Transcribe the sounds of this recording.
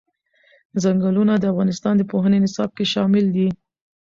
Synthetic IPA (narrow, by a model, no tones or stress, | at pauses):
zaŋɡəlunad̪əafɣɑnɪst̪ɑnd̪əpoɦənenɪsɑb̚keʃɑmɪld̪i